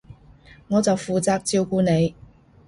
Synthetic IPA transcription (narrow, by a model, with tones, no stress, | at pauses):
ŋɔː˨˧t͡sɐ˨wfuː˨t͡saː˨˧k̚t͡siː˧wkuː˧ne˨˧j